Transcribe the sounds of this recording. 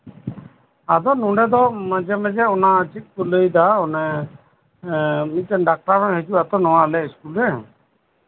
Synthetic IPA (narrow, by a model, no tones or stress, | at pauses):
ad̪ɔnũɳɖɛd̪ɔməd͡ʒɛmɛd͡ʒɛɔnaət͡ʃit̪̚kuləjd̪aɔnɛ | mit̪̚d͡ʒɔnɖak̚ʈaɾsɔ̃ɦɛd͡ʒuat̪ɔnɔwalɛiskulɾɛ